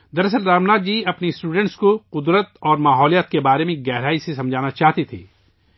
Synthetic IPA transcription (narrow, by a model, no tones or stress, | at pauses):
d̪ɐɾəs̬əlːaːmnaːd̪̚d͡ʒiːɐpnisʈuːɖə̃ɳʈskoqʊd̪ɾət̪ɔːɾmaːɦɔːlijət̪̚kebaːɾemẽɡɛːɦɾaːisesɐ̃md͡ʒʱaːnat͡ʃaːɦt̪it̪ʰḭː